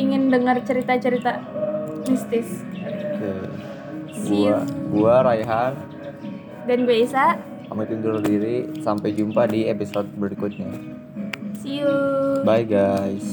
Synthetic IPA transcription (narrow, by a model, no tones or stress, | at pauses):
iŋɪndəŋərt͡ʃəɾit̪at͡ʃəɾit̪amist̪ɪsoke | ɡuaɡuaɾaiɦan | danɡueisaʔ | ka̰mat̪und̪ʊrdiɾisampajd͡ʒumpadiepisɔt̪̚bəɾikʊt̪̚ɲa | siəbajɡajs